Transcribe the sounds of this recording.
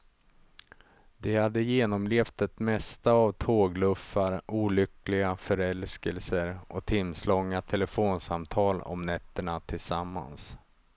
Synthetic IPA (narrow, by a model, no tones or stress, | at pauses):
d̪ɛhad̪ːəjeːnɔmleːft̪ɛt̪mɛst̪aːvt̪ʰoːɡlɵfːaɾuːlʏklɪɡafœɾɛlskəlsəɾʔɔt̪ʰɪmslɔŋːat̪ʰɛlɛfoːnsamt̪ʰɑːlɔ̰mnɛt̪ːəɳat̪ʰɪlsamːa̰ns